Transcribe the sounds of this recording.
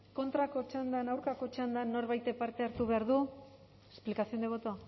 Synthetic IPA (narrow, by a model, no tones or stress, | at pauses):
ko̞nt̪ɾako̞t͡ʃand̪anawɾkako̞t͡ʃand̪anːo̞ɾβajt̪epaɾt̪eaɾt̪uβe̞aɾðu | esplikasiond̪eβo̞t̪o